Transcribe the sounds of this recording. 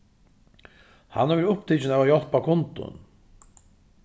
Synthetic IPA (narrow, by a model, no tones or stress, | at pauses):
ha̰navɪɾʊpt̪ʰit͡ʃɪnæːvajɔl̥pakʰʊnt̪ʊ̰n